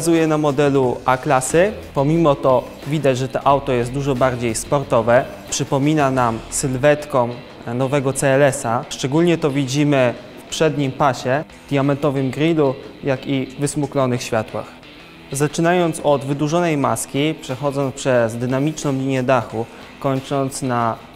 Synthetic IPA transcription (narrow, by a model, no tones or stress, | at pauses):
zujɛnamɔd̪ɛluaklasɘpɔmʲimɔt̪ɔ | vʲid̪ad͡ʑʐɛt̪ɔʔawt̪ɔjɛst̪d̪uʐɔbaɾd͡ʑejspɔɾt̪ɔvɛ | pʂɘpɔmʲinanamsɘlvɛt̪kɔm | nɔvɛɡɔt̪sɛːlɛsaʂt͡ʂɛɡulɲɛt̪ɔvʲid͡ʑimɘ | fpʂɛd̪ɲimpaɕɛ | d̪ʲjamɛnt̪ɔvɘmɡɾilujakivɘsmuklɔnɘxɕfʲjat̪wa̰x | zat͡ʂɘnajɔnt̪sɔd̪vɘd̪uʐɔnɛjma̰skʲipʂɛxɔd̪zɔnspʂɛzd̪ɘnamʲit͡ʂnɔ̃w̃lʲiɲɛd̪axu | kɔɲt͡ʂɔnt̪sna